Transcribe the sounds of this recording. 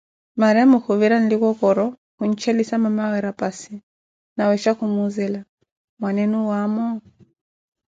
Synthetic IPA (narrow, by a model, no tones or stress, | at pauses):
maɾiamɔkuviɾan̩likɔkɔɾɔ | kuɲ̩t͡ʃɛlisamamawɛɾapasi | nawɛʃakumuzɛla | mwanɛnuwamɔ